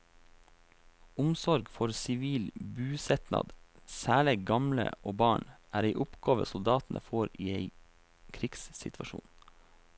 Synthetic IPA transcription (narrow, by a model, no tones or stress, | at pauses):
ʊmsɔɾɡfɔɾsɪʋiːlbʉːsɛt̪nɑ̰d̪sæːɭɪɡɑmlə̰oːbɑːɳʔæːɾeɪʔʊpɡ̥ɑːʋə̰sʊld̪ɑːt̪n̩ʔəfoːɾiːeɪ | kʰɾɪɡssɪ̰t̪ʰʋɑʃṵːn